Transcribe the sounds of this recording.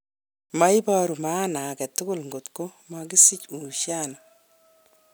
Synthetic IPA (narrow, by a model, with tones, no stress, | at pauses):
ma˦jbɔ˦ɾu˨ma˦na˨kɛ˨tːʊ˦ɡʊ˦lŋɡo˨tko˦maɡi˦si˦cu˨ʃa˦nɔ˨